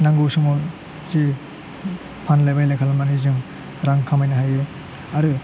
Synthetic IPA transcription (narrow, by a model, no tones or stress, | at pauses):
naŋɡusumɔ | zi | pʰanlajbajlajkʰalamanizɯŋ | ɾaŋkʰamajnaɦajɯ | aɾɯ